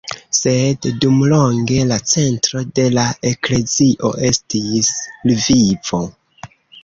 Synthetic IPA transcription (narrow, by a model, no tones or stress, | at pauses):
se̞ddumlo̞ŋɡe̞lat͡se̞ntɾo̞de̞lae̞kle̞ziʔo̞̰ʔe̞stislviv̥o̞